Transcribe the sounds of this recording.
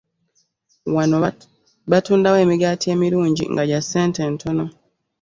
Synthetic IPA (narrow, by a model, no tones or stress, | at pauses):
wano | βatuːndawe̞ːmiɡaːtie̞ːmiɾuːɲɟḭŋɡaɟaseːnte̞ːntʰo̞no̞